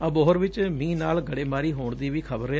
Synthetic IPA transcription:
əboːɦəɾʋɪt͡ʃmĩːnaːlɡəɽeːmaːɾiːɦoːɳd̪iːʋiːkʰəbəɾːəa

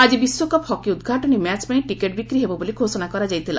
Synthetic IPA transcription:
ad͡ʒibiswokɔphɔkiud̪ɡʱaʈɔnimɛt͡ʃpaĩʈikeʈ̚bikɾiɦeboboliɡʱosɔnakɔɾad͡ʒajt̪ʰila̰

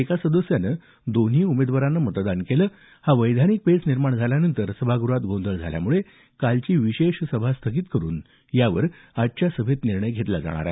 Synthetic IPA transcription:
ekasəd̪əsjanəː | d̪on̤ɦiːumed̪ʋaɾanːamət̪əd̪ankelə | haʋəjd̪ʱanik̚pet͡sniɾmaɳd͡zʱaljanənt̪əɾsəbʱaɡuɾat̪ɡond̪əɭd͡zʱalja̰muɭe | kalt͡ɕiːʋiɕeʂsəbʱast̪ʰəɡiːt̪kəɾṵːn | jaʋəɾ | ad͡ʑ̚t͡ɕjasəbʱet̪niɾɳəjɡʱet̪lad͡za̰ɽ̃a̰ɾa̰e

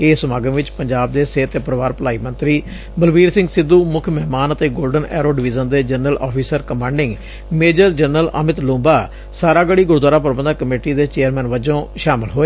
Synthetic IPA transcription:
eːsəmaːɡəʋɪt͡ʃpəɲd͡ʒaːb̚d̪eːseːt̪eːpɾəʋaːɾplaːiːmənt̪ɾiː | bəlʋiːɾsɪ̃ŋɡsɪd̪ːuːmʊkʰmɛɦmaːnət̪eːɡoːlɖənɛ̰ːɾoːɖɪʋɪzənd̪eːd͡ʒənːəlʔɔ̰ːpʰiːsəɾkəmãːɳɖɪ̃ŋɡ | meːd͡ʒəɾd͡ʒənːələ̰mɪt̪lõːmbaː | saːɾaːɡəɽiːɡʊɾd̪waːɾaːpəɾbənd̪aːkəmeːʈiːd̪eːt͡ʃeːəɾmɛ̃ːnʋəd͡ʒõːʃaːmɪlɦoːeː

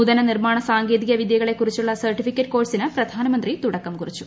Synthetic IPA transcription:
uðɐnɐnirmaːɳɐsaːŋɡe̞ːðiɣɐʋid̪jɐɣɐɭe̞kːurit͡ɕːuɭːɐsɐrʈːifikʲːɐʈːkoːlsinɨprɐd̪ʱaːnɐmɐnd̪rit̪uɽɐkːɐmkurit͡ɕːu̥

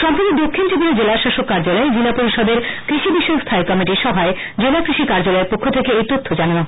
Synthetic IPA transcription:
ʃɔmpɾok̪id̪okʰːinʈibiɾed͡ʑelaʃaʃokːaɾd͡ʑalɔed͡ʑilapoɾiʃɔd̪eɾkɾiʃibiʃɔeost̪ʰaekɔmiʈiʃɔɦae | d͡ʑelakɾiʃikaɾd͡ʑalɔeɾpokʰːot̪ʰekeejt̪ot̪ʰːod͡ʑanano

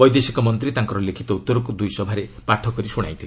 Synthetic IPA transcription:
bɔjd̪esikɔmɔnt̪ɾit̪aŋkɔɾɔlekʰit̪ɔut̪ːɔɾɔkud̪ujsɔbʱaɾepaʈʰɔkɔɾisuɽ̃a̰jt̪ʰil

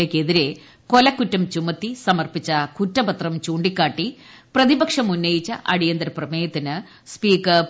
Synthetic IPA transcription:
eːkːeðiɾe̞ | ko̞lɐkːutːɐmt͡ɕumɐt̪ːisɐmɐrpit͡ɕːɐkutːɐbɐt̪rɐmt͡ɕuːɳɖikːaːʈːiprɐðibɐkʂɐmunːɐjit͡ɕːɐ̰ʔɐ̰ɽijɐnd̪ɾɐprɐmeːjɐt̪ːinɨ | spiːkɐ

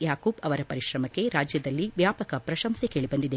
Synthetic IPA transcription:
jaːkuːbɐʋɐɾɐpɐɾiʃɾɐmɐkːe̞ɾaːd͡ʒjɐd̪ɐlːiʋjaːpɐkɐpɾɐʃɐmsikeːɭibɐnd̪id̪e

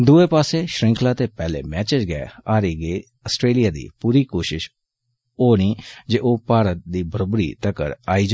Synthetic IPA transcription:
d̪ueːpaːseːʃɾɪ̃ŋkʰlaːt̪eːpɛːlḛːmɛːt͡ʃəd͡ʒɡɛ̰ːaːɾiːɡeː | əsʈɾeːlɪjaːd̪ḭːpuːɾiːkoːʃɪʃ | oːñiːd͡ʒeːʔoːpaːɾət̪̚d̪iːbəɾoːbəɾḭːt̪əkə̰ɾa̰ːiːd͡ʒ

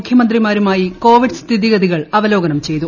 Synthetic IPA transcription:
kʰjɐmɐnd̪rimaːɾumaːjiko̞ːʋiɖɨst̪ʰiðiɣɐd̪iɣɐɭɐʋɐlo̞ːɡɐnɐmt͡ɕe̞jt̪u

